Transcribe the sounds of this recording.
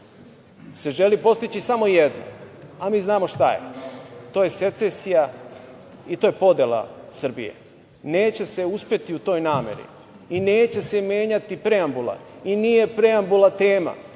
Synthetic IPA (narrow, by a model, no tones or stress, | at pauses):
se̞ʒe̞lipo̞st̪it͡ɕisamo̞ijed̪no̰amiːznaːmo̞ʃt̪ajḛt̪o̞ːje̞se̞t̪sesija | it̪o̞ːje̞po̞d̪elˠa̰sr̩bḭje̞̰ | ne̞ːt͡ɕe̞se̞uspje̞t̪iut̪o̞ːjnaːme̞̰ɾḭ | ineːt͡ɕe̞se̞me̞ːɲat̪ipɾe̞ambulˠa̰inije̞pɾe̞ambulˠat̪e̞ːma̰